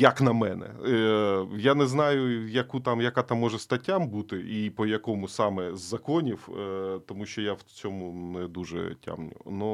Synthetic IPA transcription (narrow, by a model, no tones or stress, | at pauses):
jɐknɐmɛnɛ̰ | janɛznɑjʊjɐkut̪amjɐkat̪amːɔʐɛst̪ɐtʲːambut̪ɪʔipɔjɐkɔmʊsɑmɛzːɐkɔnʲiwt̪ɔmuʃt͡ʃɔjawt͡sʲɔmʊnɛd̪uʒɛ̰tʲa̰mnʲʊ̰nu